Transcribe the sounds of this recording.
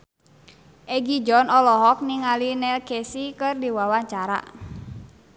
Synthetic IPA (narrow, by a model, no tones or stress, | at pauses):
ʔɛɡid͡ʒɔnɔlɔɦɔk̚niŋalinɛlkɛsikɨrdiwawaɲt͡ʃaɾa̰